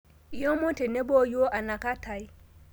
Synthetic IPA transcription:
i˦o˦mɔ̃˦tɛ˨nɛ˦bɔ˦jo˦ʔa˨na˨ka˦tʰa˨i˦

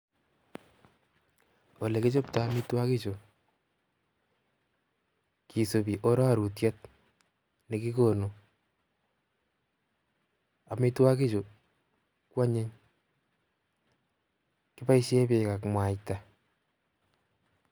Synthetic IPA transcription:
o˨le˨kɪ˦t͡ʃo˦pta˦mi˦twa˦ki˦t͡ʃo˨ | ki˨so˨bi˨ʔo˦ɾɔ˦a˦˨ɾu˨tjɛ˦t̚ | neki˦ko˨no˨ | a˨mi˦twa˦ki˦t͡ʃo˨ | kwa˦ɲe˦ɲ | kɪ˦pa˦iʃje˦pe˨ka˨kmwa˨ta

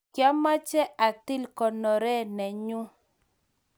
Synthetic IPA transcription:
kja˦ma˦t͡ʃɛ˦ʔa˨t̪ɪ˦lkɔ˨nɔ˨ɾɛ˦˨nɛ˨ɲʊ˦

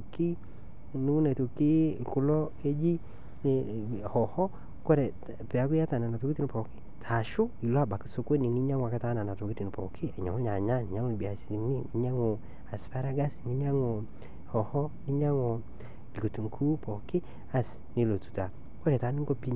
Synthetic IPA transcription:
ki˦ | ni˦wu˦na˨to˨ki˦ku˦lɔ˦ | e˦d͡ʒi˦˨ | hɔ˨hɔ˦ | kɔ˦ɾɛ˨ | pɛ˨a˦k̬ʊ˦ja˦ta˨na˨na˨to˨ki˦ti˦n˨pɔ˨ki̥˦tʰa˨ʃʊ˦i˨lo˦a˦˨ba˨ki˨so˦kwe˦ni˨ni˦ɲa˦ŋwa˨ka˦ta˦na˨na˨to˨ki˦ti˨n˨pɔ̰˨kʰi˦a˨ɲa̰˨ŋo˦ɲa˨ɲa˦˨ni˨ɲa˦ŋo˦˨bi˨a˨si˨ni˦ni˨˦ɲa˦ŋo˨ | a˨spa˦ɾa˦ɡa˦sni˦ɲa˦ŋo˨ | hɔ˨hɔ˦ni˦ɲa˦ŋɔ˨ | lko˨tu˨ŋkʰu˦pɔ˨kɪ˦ | a˨s | ni˨˦lo˨tu̥˨ta˨ | kwɔ˦ɾɛ˨ta˨˦ni˦ŋɡo˦pi˦ɲ

